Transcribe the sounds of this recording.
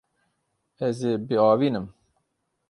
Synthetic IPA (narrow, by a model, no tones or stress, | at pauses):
ɛzeːbeɑːviːnɨm